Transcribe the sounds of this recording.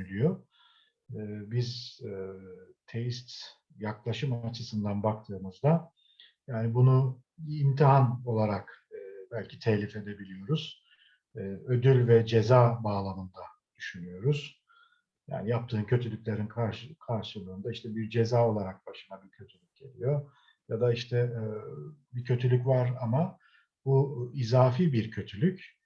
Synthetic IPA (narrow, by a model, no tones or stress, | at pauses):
ylʲyjo̞ | biz | t̪ʰejist̪ | jaklˠaʃɯmat͡ʃʰɯsɯnd̪anbak̚t̪ʰɯːmɯzd̪a | jaːnibunu | imt̪ʰiɦano̞lˠaɾakːbælʲcʰi̥t̪ʰɛçlʲife̞d̪ebilʲijo̞ɾuz̥ː | ø̞d̪ylʲvɛd͡ʒe̞zaːbaːlˠamɯnd̪a | d̪̥yʃynyjo̞ɾuz̥ | ja̰ːnijap̚t̪ʰɯːmcʰø̞t̪ʰylʲycʲlʲe̞ɾinkʰaɾʃkʰaɾʃɯlˠɯːnd̪aiʃt̪ʰɛbiɾd͡ʒe̞zaːo̞lˠaɾak̚b̥aʃɯnabiɾcʰøt̪ʰylʲyc̚ɟe̞lʲijo̞ | jad̪aiʃt̪ʰɛ | bicʰø̞t̪ʰylʲycvaɾama | buizaːfiːbiɾcʰø̞t̪ʰylʲyc